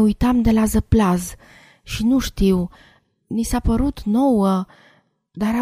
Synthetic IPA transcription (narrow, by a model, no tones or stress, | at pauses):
ujt̪amd̪e̞lazəplaz | ʃinuʃt̪iw | nisapəɾut̪no̞wə | d̪aɾa